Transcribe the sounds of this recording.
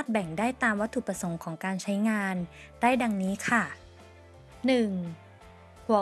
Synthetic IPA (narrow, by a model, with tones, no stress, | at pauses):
t̪̚bɛ˨˩ŋdaː˥˩jt̪aː˧mwa˦˥t̪ʰːu˨˩pɾa˧so˩˦ŋkʰɔː˩˦ŋkaː˧nt͡ɕʰa˦˥jŋaː˧n | da˥˩jda˧ŋniː˦˥kʰa˥˩ | nɯ˨˩ŋ | pʰu˨˩˦